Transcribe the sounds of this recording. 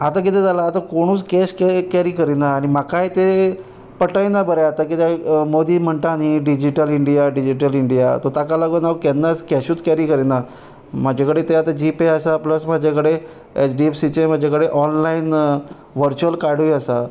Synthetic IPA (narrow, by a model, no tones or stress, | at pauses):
at̪ak̬it̪ɛd͡zalaːt̪akoɽ̃uːt͡skɛɕkɛkɛɾiːkəɾinaːɽ̃imakajt̪e | pəʈajnabəɾaat̪akit̪ʰɛmod̪iːm̤əɳt̪aniɖid͡ʑiʈəliɳɖijaɖid͡ʑiʈəliɳɖija̰t̪ot̪akalaɡonaʋkɛnːaskɛɕuːt͡skɛɾiːkəɾina | m̤ad͡ʑʱakəɽet̪eat̪ad͡ʑipeasapləsmad͡ʑʱakəɽe | esɖiefsit͡ɕem̤ad͡ʑʱakəɽeʔɔnlain | ʋəɾt͡ɕuəlkaɽʋiəsa